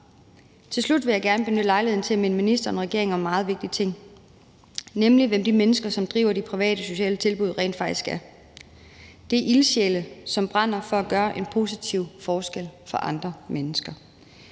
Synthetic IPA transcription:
t͡sʰe̝lslud̥ʋe̝jɑ̈ɪɡ̥æɐnəb̥e̝nød̥lɑ̈ɪleð̰ˠn̩t͡sʰe̝læminminisd̥ɐenʁɛɡ̥e̝ɐ̰eŋɒ̽mːɑ̈ːð̞̩ˠʋe̝ɡ̥̚d̥it͡sʰe̝ŋ̰ | nemliʋemd̥imenəsɡ̥ɐsɒ̽md̥ʁḭːʊɐd̥ipʰʁiʋɛ̰ːɾəso̝ɕɛ̰ːlət͡sʰe̝lb̥uð̞̰ˠʁɛ̰ːnd̥fɑ̈ɡ̥̚d̥isɡ̥æɐ | d̥e̝ʔilɕeləsɒ̽mb̥ʁɑ̈n̰ɐfɒ̽æɡ̥ɶːɐʔe̝npʰo̝ːsit͡sʰiʊfɒːsɡ̥el̰fɒ̽ʔɑ̈nd̥ʁɐmenəsɡ̥ɐ

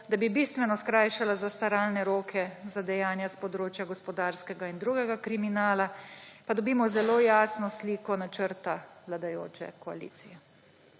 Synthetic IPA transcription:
d̪abibiːst̪ʋɛnɔskɾaːjʃalazast̪aɾaːlnɛɾoːkʰɛzad̪ɛjaːnjaspɔd̪ɾoːt͡ʃjaɡɔspɔd̪aːɾskɛɡaind̪ɾuːɡɛɡakɾiminaːlapad̪ɔbiːmɔzɛloːjaːsnɔsliːkɔnat͡ʃəɾt̪aʋlad̪ajo̰ːt͡ʃɛ̰kɔa̰lḭːt̪sijɛ

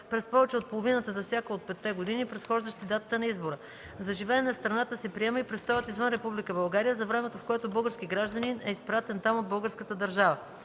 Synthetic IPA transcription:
pɾɛspɔvɛt͡ʃɛot̪̚polˠovinət̪əzɐfsʲjakəot̪̚pɛt̪ːɛɡod̪inipɾɛt̪xɔʒd̪əʃt̪id̪at̪ət̪ənɐizboɾə | zɐʒivɛːnɛfst̪ɾɐnat̪əsɛpɾiɛməipɾɛst̪ɔjət̪izvənɾɛpublikəbɐlˠɡaɾijəzɐvɾɛmɛt̪ofkoɛt̪obɤlˠɡəɾsk̟iɡɾaʒd̪əninɛispɾat̪ɛnt̪amod̪̚bɤlˠɡəɾskət̪əd̪əɾʒavə

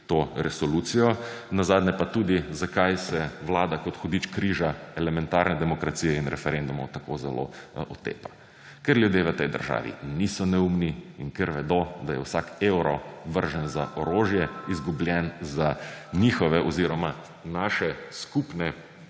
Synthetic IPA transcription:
t̪oːɾɛsɔluːt̪sijɔnazaːd̪nʲɛpat̪uːd̪izakajsɛʋlaːd̪akɔt̪xɔd̪iːt͡ʃkɾiːʒaɛlɛmɛnt̪aɾnɛd̪ɛmɔkɾat̪siːjɛinɾɛfɛɾend̪umɔwt̪akozɛlo̰ɔt̪ḛːpa | kɛɾlʲjud̪jeʋət̪ɛjd̪ə̰ɾʒa̰ːʋḭnisɔnɛumniinkɛɾʋɛd̪od̪ajɛ̰wsakewɾɔʋəɾʒənza̰ʔɔɾoːʒjɛizɡubljɛnzanixɔʋɛʔɔziɾɔma | naːʃɛskupnɛ

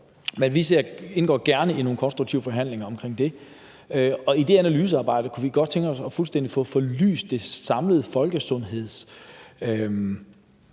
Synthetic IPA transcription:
menʋise̝ɐ̰e̝nɡ̥ɒ̰ːɡ̥æɐnəino̝ːn̩kʰɒ̽nsd̥ʁuɡ̥̚t͡sʰiʊəfɒ̽ɦæn̰le̝ŋɐɒ̽mkʰʁeŋ̰d̥e̝ | øɒ̽id̥e̝ænælyːs̬əɑ̈ːb̥ɑ̈ɪ̰d̥əkʰuʋiɡ̥ɒ̽d̥̚t͡sʰeŋɡ̥ɒ̽sɒ̽fulsd̥en̰d̥ifɔ̽ːfɒly̰ːsd̥d̥e̝sɑ̈mləð̩ˠfɒ̽lɡ̥əsɔ̽nɦe̝ð̞̰ˠs | øm

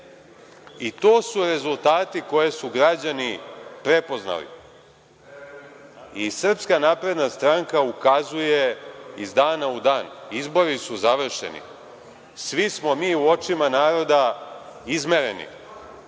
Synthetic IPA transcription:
it̪o̞ːsuɾe̞zult̪aːt̪iko̞je̞suɡɾad͡ʑanipɾe̞po̞zna̰lḭ | isr̩pskanaːpɾe̞d̪nast̪ɾaŋkaukazuje̞izd̪aːnaud̪aːnizbo̞ɾisuzaʋr̩ʃḛnḭ | sʋismo̞miːuo̞t͡ʃimanaːɾo̞d̪aizme̞ɾe̞nḭ

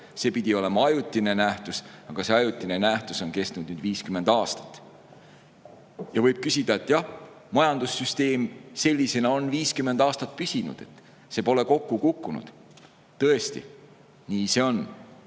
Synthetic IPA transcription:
se̞pid̪̥ʲio̞le̞mɑɑjut̪ʲːˑine̞næht̪usɑɡ̥ɑse̞ɑjut̪ʲːˑinenæht̪uso̞nke̞st̪nud̪̥nyːd̪̥viːskyme̞nd̪̥ɑːst̪ɑ̥t̪ːˑ | jɑvɤjb̥̚kysʲid̪̥ɑet̪ːˑjɑh | mɑjɑnd̪̥usːyst̪e̞ːmse̞lʲːise̞nɑonviːskymːe̞nd̪ɑːst̪ɑt̪̚pysʲinṵd̪̥e̞̰t̪ː | sepo̞le̞ko̞kːukukːunṵd̪̥ | t̪ɤ̞e̞st̪ḭ | niːseo̞n

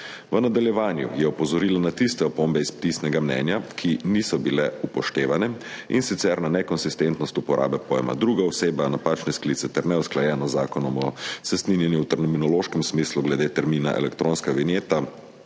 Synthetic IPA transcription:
ʋənad̪aljɛʋaːnjṵjɛɔpɔzɔɾiːlanat̪ist̪ɛɔpombɛisp̚t̪isnɛɡamnɛ̰ːnjakʰinisɔbilɛupɔʃt̪eːʋanɛḭnsit̪sɛɾnanɛkɔnsist̪ent̪nɔst̪upɔɾʔa̰ːbɛpɔjɛma̰d̪ɾuːɡaɔseːbanapaːt͡ʃnɛsklit̪sɛt̪ɛɾnɛusklajɛːnɔzaːkɔnɔmɔsɛst̪ninjɛnjuwt̪ɛɾnɔminɔloʃkɛmsmisluɡlɛd̪eːt̪ɛɾmiːna̰ʔɛ̰lɛkt̪ɾonskaʋinjeːt̪a

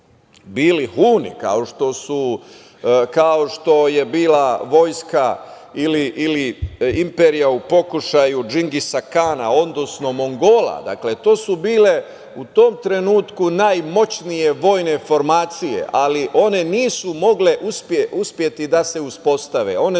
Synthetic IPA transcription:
biːlihuːnḭka̰o̞ʃt̪o̞su | kao̞ʃt̪o̞je̞biːlaʋo̞ːjska | iliʔiliimpeɾijaupo̞kuʃajud͡ʒiŋɡisakaːna̰o̞nd̪osno̞mo̞ŋɡo̞ːla̰d̪a̰kle̞t̪o̞ːsubiːle̞ | ut̪o̞ːmt̪ɾe̞nuːt̪kunaːjmo̞t͡ɕnije̞ʋo̞ːjne̞fo̞ɾmaːt̪sije̞̰ʔaliʔo̞ne̞niːsumo̞ɡle̞ʔuspeuspje̞t̪id̪ase̞uspo̞st̪aʋe̞̰o̞ne

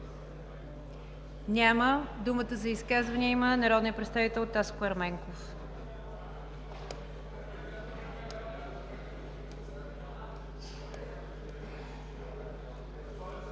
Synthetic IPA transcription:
nʲaməd̪umət̪əzɐiskazvɐniəimənɐɾɔd̪nijəpɾɛt̪st̪avit̪ɛlˠt̪askʊɐɾmɛŋkof

